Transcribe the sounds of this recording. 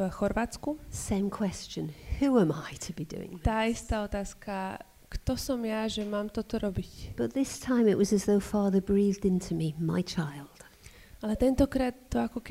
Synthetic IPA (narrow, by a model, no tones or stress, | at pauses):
xɔɾʋaːt͡skusɛ̃ɪ̃mkʰw̥ɛst͡ʃə̃nhuə̃maɪtʰəbidʉ̰ːɪ̰̃ŋt̪aːist̪aːɔt̪aːska | kt̪ɔsɔmjaʒɛmaːmt̪ɔt̪ɔɾɔbicb̥ʌt̪̚ðɪstʰãɪ̃mɪʔwɒzəzðoʊfɑːðəbɹiːðdɪ̃ntʰumima̰ɪt͡ʃʰaɪlˠd̥ | alɛt̪ɛnt̪ɔkɾaːt̪ːɔakɔk